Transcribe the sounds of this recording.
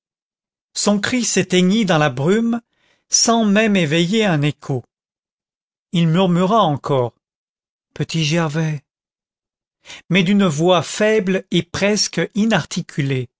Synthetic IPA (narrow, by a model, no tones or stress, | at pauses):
sɔ̃kχiset̪ɛɲid̪ɑ̃labʁym | sɑ̃mɛmevɛjeɛ̃nekʰo | ilmyʁmyʁaɑ̃kʰɔːʁ | pət̪iʒɛʁvɛ | mɛd̪ynvwafɛblepχɛskinaʁt̪ʰikʲʰyle